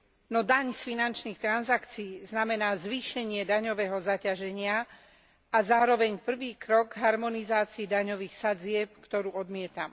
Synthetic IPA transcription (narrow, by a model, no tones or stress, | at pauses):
nɔd̪aɲsfinant͡ʃniːxt̪ɾanzakt͡siːznamɛnaːzʋiːʃɛɲɪɛd̪aɲɔʋɛːɦɔzacaʒɛɲɪa | azaːɾɔʋɛɲpr̩ʋiːkɾɔɡɦaɾmɔnizaːt͡siid̪aɲɔʋiːxsad͡zɪɛp̚kt̪ɔɾuːɔd̪mɪɛt̪am